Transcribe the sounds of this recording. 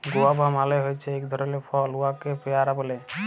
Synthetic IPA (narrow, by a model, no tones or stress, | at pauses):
ɡoabʱamaleɦojt͡ɕʰeekd̪ʱɔɾolepʰɔluakepeaɾabole